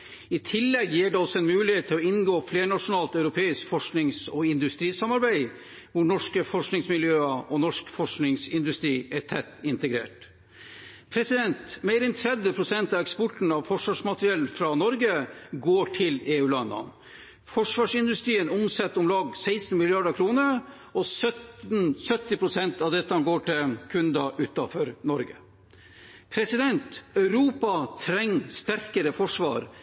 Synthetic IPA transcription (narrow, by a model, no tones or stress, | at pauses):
ɪt̪ʰɪlːɛɡjiːɖɛɔsɔɛnmʉːlɪheːt̪ʰːɪlɔɪnɡoːfleːɳɑʂʊnɑːlt̪ɑʉɾʊpʰeːɪskfɔʂknɪŋsɔɪnd̪ʉst̪ɾiːsɑmɑɾbæɪ | ʋʊɳɔʂkəfɔʂknɪŋsmɪljøːəʔɔnɔʂkfɔʂknɪŋsɪnd̪ʉst̪ɾiːætʰɛt̪ːɪnt̪əɡɾḛːʈ | pʰɾɛsɪd̪ɛnt̪meːɾɛnt̪ʰɾɛd̪jəpʰɾʊsɛnt̪ɑʋɛkspɔʈn̩ɑʋfɔʂʋɑːʂmɑt̪ɾɪɛlnfɾɑnɔɾɡəɡoːʈʰɪleːʉːlɑnːɑ̰ | fɔʂʋɑːʂɪnd̪ʉst̪ɾiːənʊmsɛt̪ːʊmlɑːɡsæɪsn̩mɪlɪɑɖəkʰɾuːnəɾ | ɔsœtnsœt̪ːɪpʰɾʊsɛnt̪ɑʋd̪ɛt̪ːɑɡoːʈʰɪkʰʉnd̪ɑʔʉːt̪ɑfɔɾnɔɾɡə̰ | pʰɾɛsɪd̪ɛnt̪œʉɾuːpɑt̪ʰɾɛŋːst̪æɾkəɾəfɔʂʋɑ̰ːɾ